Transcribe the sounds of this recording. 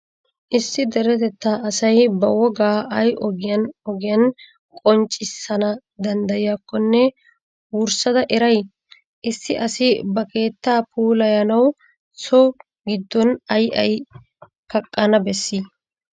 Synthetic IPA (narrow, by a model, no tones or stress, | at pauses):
ʔɪsːɪd̪ɛɾɛt̪ɛt̪ːaːʔɐsɐjbɐwɔɡaːɐjʔɔɡɪjɐnɔɡɪjɐn | kʼɔnt͡ʃʼːɪsːɐnɐ | d̪ɐnd̪ɐjɪjakːɔnːɛ | wʊɾsɐd̪ɐʔɛɾɐj | ʔɪsːɪʔɐsɪbɐke̞ːt̪ːaːpʰuːlɐjɐnɐw | sɔ | ɡɪd̪ːɔnɐjʔɐ̰j | kɐkʼːɐnɐbɛsːi